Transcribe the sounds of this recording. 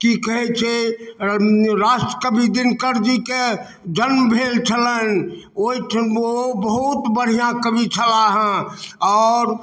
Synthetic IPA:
kikəɦɛt͡ʃʰe | ɾaːsʈɾəkəbʱid̪ɪnkəɾd͡ʒike | d͡ʒənmbʱeːlt͡ʃʰələn | oit͡ʃʰobəɦut̪bəɽ̤ijãkəbit͡ʃʰəlaɦɛ̃ɔːɾ

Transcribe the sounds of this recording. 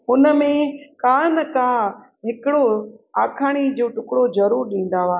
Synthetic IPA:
ʊnə̆mẽkaːnəkã | ɦɪkɪɽoaːkʰaɽ̃id͡ʑoːʈʊkɽozɐɾuːɾɗĩːn̆d̪aːʋaː

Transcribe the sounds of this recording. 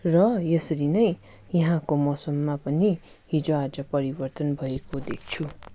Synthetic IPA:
rʌjʌsʌɾinʌj | jʌɦãkomʌsʌmːapʌni | ɦid͡zoad͡zʌpʌɾibʌrt̪ʌnbʱʌekod̪ek̚ʰt͡sʰu

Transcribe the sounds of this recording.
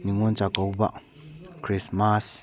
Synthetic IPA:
niŋɔnt͡ʃakowba̰ʔ | kʰɾismas

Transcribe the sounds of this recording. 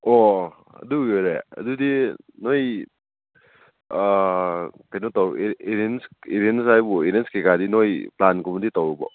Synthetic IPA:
ɔ | ɐ̰dujoɾeɐ̰dudinoj | kajnɔtɔweɾenseɾens̬ajbueɾenskekadinojplankumditɔwbɔ̰

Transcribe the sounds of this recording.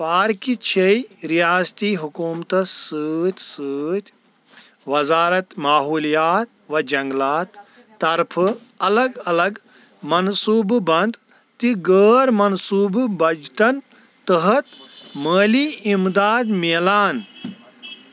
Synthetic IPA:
paːɾkit͡ʃʰejɾijaːst̪iːɦukuːmt̪ɐsɨːt̪ʲsɨːt̪ʲ | ʋɐzaːɾɐt̪maːɦuːlijaːt̪ʋɐd͡ʒɐŋɡlaːt̪ː | ɐɾpʰɨɐlɐɡɐlɐɡ | mɐnsuːbbɐnd̪ | t̪iɡəːɾmɐnsuːbbɐd͡ʒʈɐn | t̪ɐɦɐt̪məːliimd̪aːd̪meːlaːn

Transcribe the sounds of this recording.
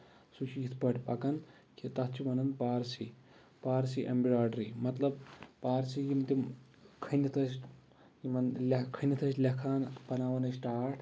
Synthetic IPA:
sut͡ʃʰijit̪ʰpɐʈʲpɐ̰kɐn | kʰit̪ɐt̪ʰt͡ʃʰimɐnɐnpaːɾsi | paːɾsiʔḛmbiɾaːɖɾimɐt̪lɐb̚paːɾsijimt̪im | kʰɐnit̪ʰɐs | jimɐnlʲɐkʰənit̪ʰɐsʲlʲɐkʰaːnpɐnaːʋɐnɐsʈaːɾʈʰ

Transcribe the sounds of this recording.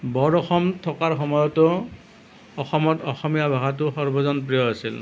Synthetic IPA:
bɔɹɔxɔmtʰɔkaɹxɔmɔjɔtʊ | ɔxɔmɔtɔxɔmijabʱaɦat̬ʊxɔɹbɔzɔnpɹijɔasil

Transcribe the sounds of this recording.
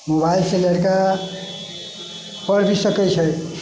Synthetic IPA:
mobailseləɾka | pʌɾbisʌkət͡ʃʰʌj

